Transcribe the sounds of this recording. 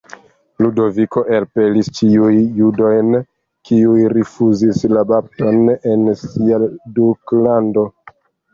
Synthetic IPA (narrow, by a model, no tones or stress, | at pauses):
ludo̞viko̞ʔelpe̞list͡ʃiujːudo̞jn | kiujɾifuzislabap̚to̞ne̞nsiaduklando̞